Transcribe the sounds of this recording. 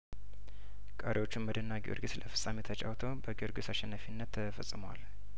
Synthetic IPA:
kʼəɾewo̞t͡ʃːɪnməd̪ənːaɡiʔo̰ɾɡɨslʔəfɨ̥sʼːamet̪ʰət͡ʃʼa̰wt̪ʰəwbəɡioɾɡɨsaʃɛnːəfinːət̪ʰːəfəsʼɨmowa̰l

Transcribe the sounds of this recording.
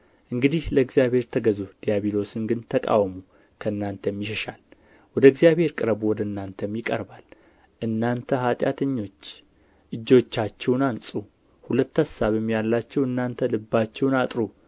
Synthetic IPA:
ʔɨŋɡɨd̪ihləɨɡzjaβhe̞ɾt̪ʰəɡəzud̪̥ijaβilo̞sɨnɡɨnt̪ʰəkʼa̰wmu | kʰəɨnːant̪ʰəjmːjɪʃəʃal | wɔd̪əɨɡzjaβhe̞ɾkʼɨɾəbwɔd̪əɨnːant̪ʰəmjɪkʼə̰ɾbal | ʔɨnːant̪ʰəhat̪ʼjat̪ʰəɲːo̞t͡ʃː | ʔɨd͡ʒːo̞t͡ʃːat͡ʃːɛwnansʼu | hulət̪ːasaβjɛmːijalːat͡ʃːɛwɨnːant̪ʰəlɨbːat͡ʃːɛwnat̪ʼɾu

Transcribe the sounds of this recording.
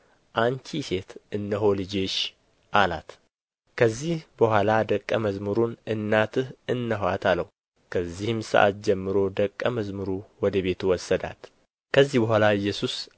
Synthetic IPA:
ʔaɲt͡ʃʰise̞t̪ɨnːəɦo̞lɨd͡ʒeʃ | ʔala̰t̪ | kʰəzːihbəhʷwʷalad̪əkʼːəməzmɨɾunɨnːat̪ʰɨhɨnːəɦwat̪ʰalːəhu | kʰəzːihɨmsɨ̰ʔa̰t̪̚d͡ʒɛmːɨɾo̞d̪əkʼːəməzmɨɾuwɔd̪əβe̞t̪ʰuwɔsːəd̪a̰t̪ | kʰəzːihbəhʷalaɨjːɛsus

